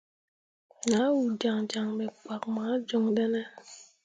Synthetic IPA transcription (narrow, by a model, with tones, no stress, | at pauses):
ɲa˨˦wu˨da˨ŋd͡ʒa˨ŋmɛ˨k͡pa˨k̚ma˨˦d͡ʒo˦ŋɗɛ˦nɛ˦